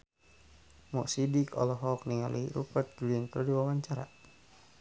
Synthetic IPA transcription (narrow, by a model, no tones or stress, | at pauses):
mɔʔsidikɔ̰lɔɦɔk̚niŋaliiɾupat̪̚ɡulint̪ɔdiwawaɲt͡ʃaɾa̰